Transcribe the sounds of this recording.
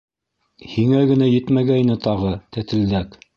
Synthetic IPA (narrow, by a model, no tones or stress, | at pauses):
hiŋæɡɘ̆næjɘt̪mæɡæjnɘt̪ɑʁɤt̪æt̪ɘ̆ld̪æk